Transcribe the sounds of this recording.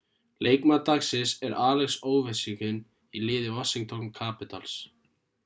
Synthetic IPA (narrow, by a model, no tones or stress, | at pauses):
lʔeːjkmat̪aksɪsɛɾʔaːlɛxsoːwvɛsiŋkʏn | ilɪːðɪvɔsiŋk̚t̪ʰɔnkʰaːpɪt̪a̰ls